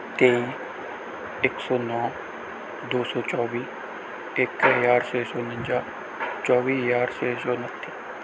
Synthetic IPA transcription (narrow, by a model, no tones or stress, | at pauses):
t̪eːĩ | ɪksɔːnɔː | d̪oːsɔːt͡ʃɔːbiː | ɪkɦəjaːɾseːsoːnə̃ɲd͡ʒaː | t͡ʃɔːʋiːɦəjaːɾseːsɔːnət̪ʰːi̥ː